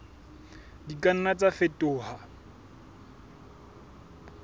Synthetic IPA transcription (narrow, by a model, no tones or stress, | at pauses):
dikʼan̩nat͡sʼafetʼʊːha